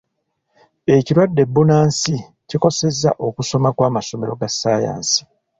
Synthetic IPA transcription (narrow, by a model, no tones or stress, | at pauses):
e̞ciɾwadːe̞bːunaːnsi | ciko̞se̞zːa̰ʔo̞kuso̞makwaːmaso̞me̞ɾo̞ɡasːaːja̰ːnsi̥